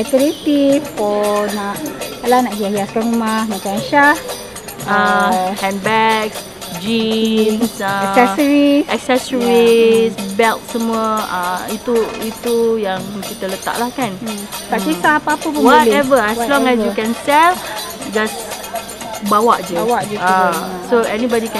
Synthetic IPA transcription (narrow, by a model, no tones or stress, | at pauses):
ɛt̪əɾit̪ifkɔnaʔalanaʔhiahijaskanumahmakaʃah | əhɛ̃n̚bɛk̚ | d͡ʒinsəsɛsəɹiɛk̚sɛsəɹisbɛlt̪̚səmuəəit̪uit̪ujaŋkit̪ələt̪a̰ʔlahkankatisaapaːpəpəwɔtɛvəɛslɔ̃ŋɛs̬jukɛnsɛl | d͡ʒas | bawaʔd͡ʒəwaʔd͡ʒasoɛnibɔdikɛ̃